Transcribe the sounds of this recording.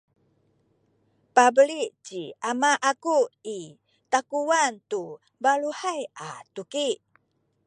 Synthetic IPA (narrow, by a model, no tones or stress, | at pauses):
pabəliʔt͡ʃiamaʔakui | t̪akuwant̪u | baluhajʔat̪ukiʔ